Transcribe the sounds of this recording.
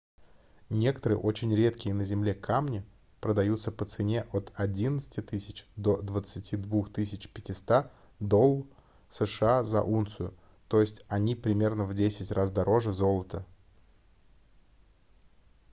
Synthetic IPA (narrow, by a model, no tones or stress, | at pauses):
nʲe̞kə̥t̪əɾɨ̰jʔo̞t͡ɕɪnʲɾʲe̞t̪kʲɪjənəzʲɪmlʲe̞kʰamnʲɪ | pɾəd̪ɐjut̪səpət̪sɨnʲe̞ʔot̪ɐdʲinət̪sɨ̥tʲɪt̪ɨsʲɪt͡ɕd̪o̞d̪vət̪sɨtʲid̪vuxt̪ɨsʲɪt͡ɕpʲɪtʲɪst̪a | d̪o̞lˠː | səʂɨazɐ̰ʔunt̪sʊjʊ | t̪o̞jɪsʲtʲɐnʲipɾʲɪmʲe̞rnəvdʲesʲɪtʲrʔasd̪ɐɾʔo̞ʐɨzo̞lˠət̪ə